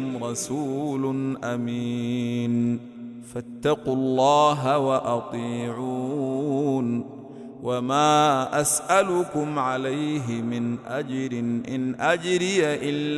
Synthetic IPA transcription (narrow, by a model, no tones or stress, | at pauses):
mɾˤɑsuːlʊnʔami | n | fat̪ːɑqʊlːɑːɦawaʔɑt̪ˤiːʕuː | n | wʔamaːʔasʔalʊkʊmʕalajɦɪmɪnʔad͡ʒɾɪnʔɪnʔad͡ʒɾɪjaʔɪlː